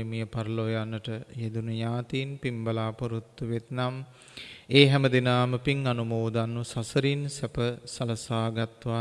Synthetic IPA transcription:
emijəpaɾlojanːəʈəjed̪unəɲaːt̪iːnpimbəlaːpoɾut̪ːuʋet̪nam | eːɦɛməd̪inaːməpiŋanumoːd̪anːusasəɾinsɛpəsalɐsaːɡat̪ʋa

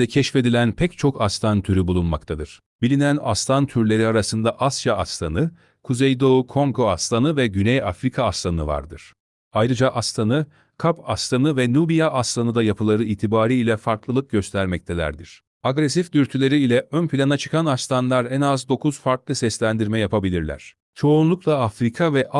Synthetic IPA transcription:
ɛcʰɛʃfe̞d̪ilʲænpʰɛct͡ʃʰo̞kʰast̪ʰant̪ʰyɾybulˠunma̰kt̪ʰad̪ɯɾ̥ | b̥ilʲinæna̰st̪ʰant̪ʰyɾlʲe̞ɾiaɾasɯnd̪aʔasjaast̪ʰanɯ | kʰuzejd̪oukʰo̞ŋkʰo̞ast̪ʰanɯvɛɟynɛjafɾikʰaːst̪ʰanɯva̰ɾd̪ɯɾ̥ | ajɾɯd͡ʒaʔast̪ʰanɯ | kʰapast̪ʰanɯvɛnubijaʔast̪ʰanɯd̪ajapʰɯlˠaɾɯiːt̪ʰibaːɾiilʲɛfaɾklˠɯlˠɯk̚ɟø̞st̪ʰæɾmɛc̚t̪ʰelʲæ̰ɾd̪iɾ̥ | aɡɾesifd̪yɾt̪ʰylʲe̞ɾiːlʲɛʔønpʰilʲanat͡ʃʰɯ̥kʰanast̪ʰanlˠaɾɛnazd̪o̞kʰuzfaɾklˠɯsɛslʲænd̪iɾmɛjapʰabilʲiɾlʲæ̰ɾ̝̥ | t͡ʃʰo̞unlˠuklˠaafɾikʰavɛʔ

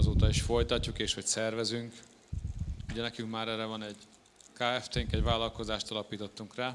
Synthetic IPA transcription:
ɒzoːt̪ɒiʃfo̞jt̪ɒcːukeːʃho̞csɛrvɛzyŋk | uɟɛnɛkyŋkmaːɾɛːɾɛvɒnɛɟ | kaːɛft̪eːŋkɛɟvaːlɒlko̞zaːʃt̪ɒlɒpiːt̪o̞t̪ːuŋkraː

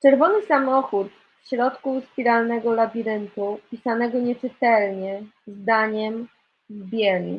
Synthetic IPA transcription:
t͡ʂɛɾvɔnɘsamɔxut̪ | fɕɾɔt̪kuspʲiɾalnɛɡɔlabʲiɾɘnt̪upʲisanɛɡɔɲɛt͡ʂɘt̪ɛlɲɛzd̪aɲɛm | vbʲjɛlɲḭ

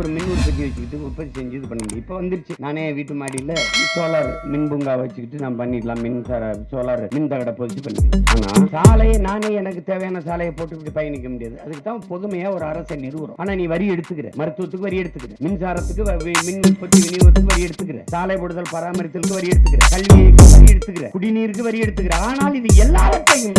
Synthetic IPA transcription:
ɔɾɯmɪnːuːɾpɐt̪ːiʋɐt͡ʃːɯkɪʈːɯɔpːɐt̪ːisɛɲd͡ʒiðɯpɐɳːɐmʊɽḭ̃ɪpːoːʋɐnd̪ɪɾt͡ʃːɯnaːneːʋiːʈːɯmaːɽilːɐɪsoːlaːɾmɪnbʊŋɡaːʋɐt͡ʃːɯkːɪʈːɯnãːmpɐnːɪʈːlãːmɪnsaːɾɐsoːlaːɾmɪnt̪ɐɣɐɽɐpɔðɪt͡ʃːɯpɐɳːɪ̰ʈːla̰ːna̰ːsaːlɐjɐnaːneːɛnɐkːɯt̪eːʋɐjaːnɐsaːlɐjɐpoːʈːɯʋɪʈːɯpɐjɐnɪkʲːɐmʊɽɪjaːðɯɐðɯkːɯt̪ːãːpɔðɯmɐjaːɔɾɯɐɾɐsɛnːiɾɯʋɐɾõ̰ːʔaːnaːniːʋɐɾiɛɽɯt̪ːɯkːɪɾḛːmɐɾɯt̪ːɯʋɐt̪ːɯkːɯʋɐɾiɛɽɯt̪ːɯkːɪɾḛːmɪnsaːɾɐt̪ːɯkːɯʋmɪnmɪnpɔt̪ːiʋɪniɐt̪ːɯkːɯʋɐɾijɛɽɯt̪ːɯkːɪɾḛːsaːlɐjpɔɽɯðɐlpɐɾaːmɐɾɪt̪ːɪlɯkːɯʋɐɾiɛɽɯt̪ːɯkːɪɾḛːkɐɭʋɪjejkːɯʋɐɾiɛɽɯt̪ːɯkːɪɾḛːkʊɽiniːɾɯkːɯʋɐɾiɛɽɯt̪ːɯkːɪɾeːaːnaːlɪðɯɛlːaːʋɐt̪ːejɯm

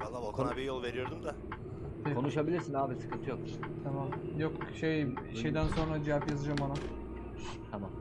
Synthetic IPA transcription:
kʰonbijolˠve̞ɾijo̞ɾd̪umd̪a | t̪ʰekʰo̞nuʃabilʲiɾsinaːbilʲsɯ̥kɯnt̪ʰɯjo̞k̚ | t̪ʰamamjokʃejʃe̞jd̪ænso̞nɾad͡ʒivapjazɯd͡ʒambana | t̪ʰamam

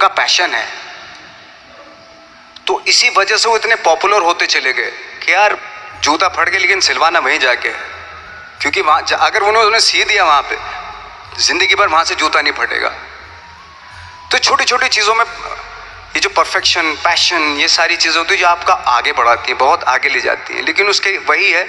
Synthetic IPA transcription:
kapɛːʃənɦɛ̰ː | t̪oʔɪsiʋɐd͡ʒɛseʋoɪt̪nepɔːpjuləɾɦoːt̪et͡ʃɐleɡɐekijaːɾd͡ʒuːt̪apʰɐʈɡeleːkɪnsɪlʋaːnaʋɐɦĩd͡ʒaːkeɦɛ | kjõːkiʋɐɦãd͡ʒɐɡəɾʋoʊnõesiːd̪ijaʋɐɦãpe | zɪ̃nd̪əɡipɐɾʋɐɦãsed͡ʒuːt̪anɐɦĩpʰɐɽḛːɡa̰ː | t̪ot͡ʃʰoːʈit͡ʃʰoːʈit͡ʃiːzõmẽ | jed͡ʒoːpɐɾfɛkʃənpɛːʃənjesaːɾit͡ʃiːzẽɦot̪iɦɛ̃d͡ʒoaːpkaʔaːɡebɐɽ̤aːt̪iɦɛ̃bɐɦʊt̪a̰ːɡeleːd͡ʒa̰ːt̪ḭɦɛ̰̃leːkɪnʊskeʋɐɦiɦɛː

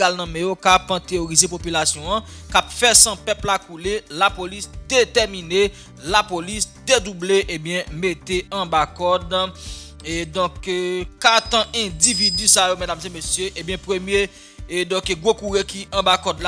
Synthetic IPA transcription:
alnɐ̃mɛ̃jokapɐ̃t̪eoʁizepopylasjɔ̃ãkapfɛsɐ̃pɛplakulelapolisd̪et̪ɛʁmine | lapolisd̪ed̪ubleʔebjɛ̃met̪eɐ̃bakɔd̪ | d̪ɔ̃kkat̪ãʔɛ̃dividysajomɛd̪amzemesjøʔebjɛ̃pʁømje | d̪ɔ̃keɡwokuʁekiʔɐ̃bakɔdla

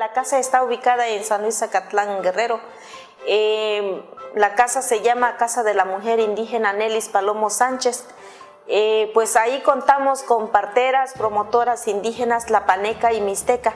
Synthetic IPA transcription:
lakasaest̪auβikaðaensanlwisakat̪laŋɡereɾo | e | lakasaseʝamakasaðelamuxeɾind̪ixenanelispalomosant͡ʃes | epwesaikont̪amoskompaɾt̪eɾaspɾomot̪oɾasind̪ixenaslapanekaimist̪eka

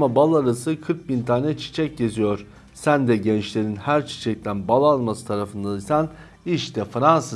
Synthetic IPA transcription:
mabalˠaɾasɯkʰɯɾk̚bint̪ʰaːnɛt͡ʃʰi̥t͡ʃʰɛc̚ɟe̞zijoɾ̥ | sænd̪ɛɟɛnt͡ʃlʲe̞ɾinhæɾt͡ʃʰi̥t͡ʃʰɛc̚t̪ʰænbalˠalˠmasɯ̥t̪ʰaɾafɯnd̪aisæn | iʃt̪ʰɛfɾansa

